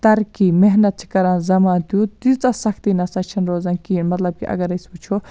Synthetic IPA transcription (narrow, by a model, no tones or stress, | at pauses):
t̪ɐɾkimeɦnɐt̪̚t͡ʃʰi̥kɐɾãːnzɐmaːnt̪jut̪it͡sɐsɐkʰt̪inɐsɐt͡ʃʰɐnɾoːzankiːnmɐt̪lɐb̚kiʔɐ̰ɡɐɾɐjsput͡ʃʰo